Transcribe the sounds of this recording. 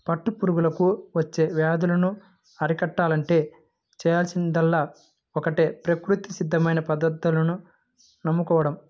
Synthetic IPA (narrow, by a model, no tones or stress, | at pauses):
pɐʈːupuɾuɡulɐkuʋɐt͡ʃːe̞ːʋjaːd̪ulɐnu | ɐɾikɐʈːaːlɐɳʈe̞ː | t͡ʃɛːjaːlsind̪ɐlːaː | ɔkɐʈeːpɾɐkɾut̪isid̪ʱːɐmɐjnɐpɐd̪ɐd̪ːulɐnu | nɐmːukɔːʋɐɽɐm